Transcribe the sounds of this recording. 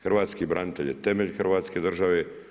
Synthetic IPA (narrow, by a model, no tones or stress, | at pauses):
xrʋaːt̪skibɾʔanit̪eʎjet̪emeʎʲxrʋaːt̪ske̞d̪r̩ʒaʋe